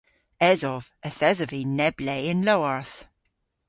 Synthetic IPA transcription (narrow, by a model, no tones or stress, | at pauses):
ɛzɔv̥əθɛzəvinɛbleɪnlowaɹθ